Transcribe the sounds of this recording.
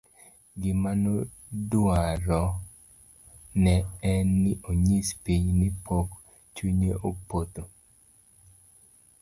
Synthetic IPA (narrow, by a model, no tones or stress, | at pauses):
ɡɪmano | dwaɾɔ | nɛɛnːɪʔoɲispiɲnɪpʰok | t͡ʃuɲeʔopot̪o